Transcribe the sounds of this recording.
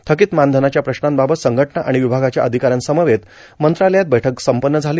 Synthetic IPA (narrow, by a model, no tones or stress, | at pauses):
t̪ʰəkiːt̪mand̪ʱənat͡ɕjapɾəɕnãmbabət̪səŋɡʱəʈɳaʔa̰ɽ̃iʋibʱaɡat͡ɕjaʔəd̪ʱikaɾənsəməʋet̪ | mənt̪ɾaləjat̪̚bəjʈʰəksəmpənːəd͡zʱali